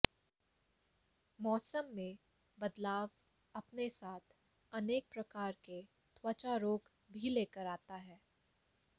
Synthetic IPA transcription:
mɔːsəmːẽ | bɐd̪laːʋ | ɐpnesaːt̪ʰ | ɐneːk̚pɾɐkaːɾke | t̪ʰwət͡ʃaɾoːk | bʱileːkəɾaːt̪aɦɛː

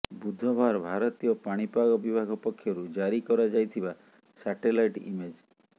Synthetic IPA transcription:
bud̪ʱɔbʱaɾbʱaɾɔt̪ijɔpaɽ̃ipaɡɔbibʱaɡʱɔpɔkʰːjɔɾud͡ʒaɾikɔɾad͡ʒajt̪ʰiba | saʈelajʈḭmed͡ʒ

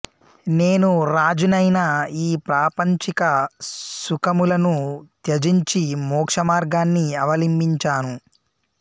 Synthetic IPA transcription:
ne̞ːnuɾaːd͡ʒunɐjnɐiːpɾaːpɐɲt͡ʃikɐsukɐmulɐnut̪jɐd͡ʒiɲt͡ʃimɔːkʂɐmaːɾɡaːnːiɐʋɐlimbiɲt͡ʃaːnu

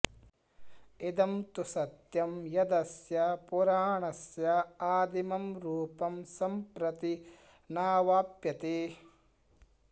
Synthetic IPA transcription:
id̪ɐmt̪usɐt̪jɐmjɐd̪ɐsjɐpuɾaːɳɐsjɐaːd̪imɐmɾuːpɐmsɐmpɾɐt̪i | naːʋaːpjɐt̪eː

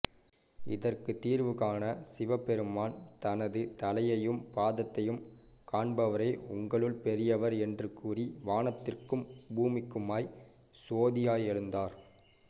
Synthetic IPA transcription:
ɪ̰ðɐrkɯt̪iːɾʋɯkaːnɐsɪʋɐpːɛɾɯmaːnt̪ɐnɐðɯt̪ɐlɐjɐjɯmpaːðɐt̪ːɐjɯm | kaːɳbɐʋɐɾeːʊŋɡɐɭɯɭpɛɾɪjɐʋɐɾɛndrɯkuːriʋaːnɐt̪ːɪrkɯmbuːmɪkːɯmaːj | soːðɪjaːjɛɻɯnd̪aːɾ

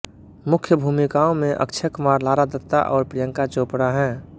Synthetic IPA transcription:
mʊkʰjəbʱuːmikaõmẽʔə̰kt͡ʃʰəkmaːɾlaːɾad̪ət̪ːa̰ʔɔːɾpɾijə̃ŋkat͡ʃoːpɽaɦɛ̃ː

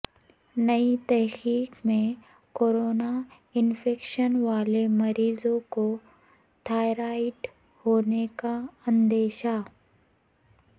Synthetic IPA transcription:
nɐit̪ɛɦxiːkmẽ | koːɾoːna | ɪnfʰeːkʃənʋaːlemɐɾiːzõko | ʈʰaːɪɾaːɪʈ | hoːnekaɐ̃nd̪eːʃa

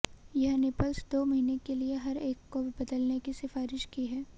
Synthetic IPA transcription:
jɐɦnɪpəlsd̪oːmɐɦiːnekelieɦɐɾeːkːobɐd̪əlnekisɪfaːɾɪʃkiɦɛː

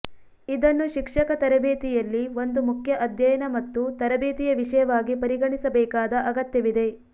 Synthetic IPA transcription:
id̪ɐnːuʃikʂɐkɐt̪ɐɾɐbeːt̪ijɐlːiʋo̞nd̪umukʰjɐʔɐd̪ʱjɐjɐnɐmɐt̪ːut̪ɐɾɐbeːt̪ijɐʋiʂɐjɐʋaːɡipɐɾiɡɐɳisɐbɛːkaːd̪ɐʔɐɡɐt̪jɐʋid̪e̞

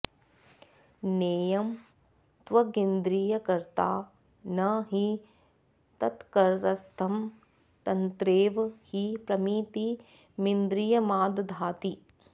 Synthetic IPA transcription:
neːjɐm | t̪ʋɐɡind̪ɾijɐkɐɾt̪aː | nɐɦi | t̪ɐt̪kɐɾɾɐst̪ʰɐm | t̪ɐnt̪ɾeːʋhipɾɐmiːt̪i | mind̪ɾijɐmaːd̪d̪ʱaːt̪i

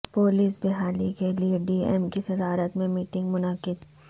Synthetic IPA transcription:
poːliːsbɪɦaːlikelieɖiːɛ̰mkisɐd̪aːɾət̪mẽmiːʈɪ̃ŋɡmʊnəqɪd̪

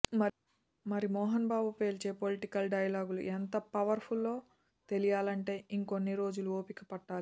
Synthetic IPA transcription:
mɐ | mɐɾimɔːɦɐnbaːbupe̞ːɾt͡ʃe̞ːpo̞liʈikɐlɖɐjɐlaːɡulṵʔent̪ɐpɐʋɐɾpʰulːo̞ː | t̪e̞lijaːlɐɳʈe̞ːiŋko̞nːiɾo̞ːd͡ʒuluoːpikɐpɐʈːaːli

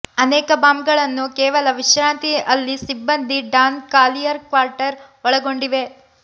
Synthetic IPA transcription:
ɐnɛːkɐbaːmɡɐɭɐnːukɛːʋɐlɐʋiʃɾaːnt̪iɐlːisibːɐnd̪iɖaːnkaːlijɐɾkʋaːɾʈɐɾ | ɔɭɐɡo̞ɳɖiʋe̞

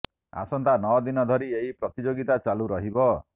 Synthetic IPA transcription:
a̰sɔnt̪anɔwd̪inɔd̪ʱɔɾieɦipɾɔt̪id͡ʒoɡit̪at͡ʃaluɾɔɦibɔ

